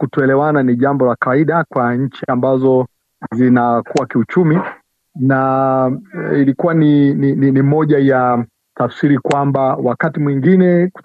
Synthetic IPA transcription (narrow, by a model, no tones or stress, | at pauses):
kutɔɛlɛwananiʄambɔlakawaiɗakwaɲ̩t͡ʃiambazɔ | zinakuwakiut͡ʃumi | na | ilikuwaninininimɔʄaja | tafsiɾikwambawakatimwiŋɡinɛku̥